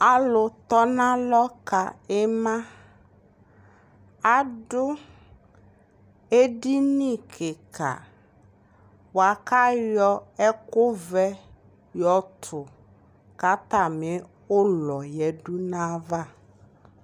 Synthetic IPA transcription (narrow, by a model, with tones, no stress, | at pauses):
a˨lʊ˨t̪ɔ˦nã˦lɔ˦ka˨ɛ˦mã˦ | a˨ɖʊ˦ | e˦ɖi˦nĩ˦kʰɪ˨kʰa̰˨ | wa˨ka˦jɔ˦ɛ˦kʊ˦vɛ˦ | jɔ˨t̪ʰʊ˨ | ka˦t̪a˦˨mɪ˨˦ | ʊ˦lɔ˨jɛ˨ɖu˦nã˦va˦